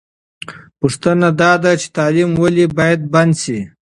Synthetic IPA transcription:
puʂt̪ənad̪ɑd̪at͡ʃe̥t̪ɑlimwalibɑjad̪̚band̪si

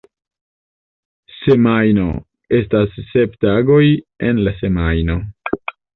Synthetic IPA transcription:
se̞majno̞̰ | e̞stasːe̞ptaɡo̞je̞nlase̞majno̞

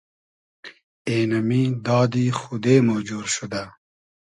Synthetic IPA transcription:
eːnɐmid̪ɑːd̪ixud̪eːmoːd͡ʑuːɾʃud̪a

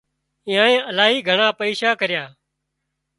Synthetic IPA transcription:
ɪ̃ːãːẽːʔəlaːɦiːɡʱəɳaːpəiːʃaːkəɾɪjaː

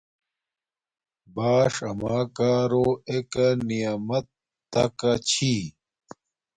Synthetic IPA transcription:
baːʂɐmaːkaːɾoekɐnijaːmɐt̪ː | ɐ̰kɐt͡ɕʰi

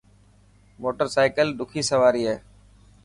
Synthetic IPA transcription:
moːʈəɾsaːɪkəlɗ̪ʊkʰiːsəʋaːɾiːɦeː

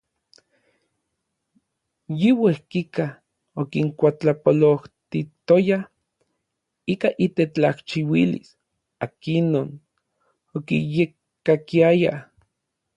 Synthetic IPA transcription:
jiwehkika | okiŋkʷat͡ɬapoloht̪it̪oja | ikaʔit̪et͡ɬaht͡ʃiwilḭs | akinon | okḭjekː | akiaja̰

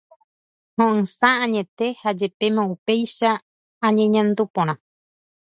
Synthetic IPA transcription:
hõʔɨ̃sããɲẽ̞t̪e̞had͡ʒe̞pe̞mãupe̞jʃa | ãɲẽ̞ɲãnd̪upõɾ̃ã

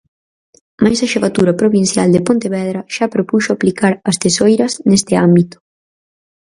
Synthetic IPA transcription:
majsɐʃeβat̪uɾɐpɾoβin̟θjald̪epont̪eβɛð̞ɾɐʃapɾopuʃoaplikaɾɐst̪esojɾɐsnest̪ɪambit̪ʊ̥

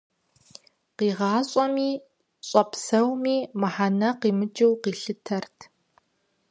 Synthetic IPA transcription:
qiːʁɑːɕʼɔmiː | ɕʼɐpsɐwmiːmaħanɐqiːmɨd͡ʒɨwqiːɬɨtʰɐrtʰ

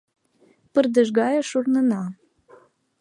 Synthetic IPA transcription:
pərd̪əʒɣɑjəʃurnənɑ

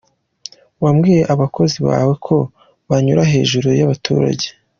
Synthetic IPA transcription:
wamɡiːje̞ʔaβako̞ziβa̰ːwe̞kʰo̞ | βaɲuɾaɦe̞ːʒuɾujaβatṵːɾa̰ɟe̞̥

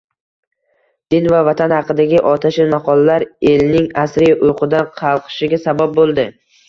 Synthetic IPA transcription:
d̪̥ɪnvavat̪ʰanhɑqɨd̪aɡʲɪʔɒt̪ʰaʃɪmɑqʰɒlˠalaɾe̞lnɪŋasɾɪjaʔʊjqʰɨd̪anqʰɑlˠqʰɨ̥ʃɪɡʲasabap̚bolˠd̪ɪ

